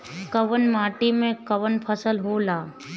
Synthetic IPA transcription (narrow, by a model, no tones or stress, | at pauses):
kəʋənmaːʈimẽkəʋənpʰəsəlɦoːlaː